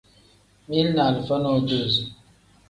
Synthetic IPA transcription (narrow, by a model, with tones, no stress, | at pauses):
mi˦lna˨lfə˦no˦˨d͡ʒu˦˨z